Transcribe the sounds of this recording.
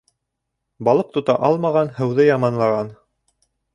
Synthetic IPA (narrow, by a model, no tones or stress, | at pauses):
bɑlˠɤq̚t̪ŏt̪ɑ̰ʔɑlˠmɑʁɑnhɤ̆wðɤjɑmɑnlˠɑʁɑn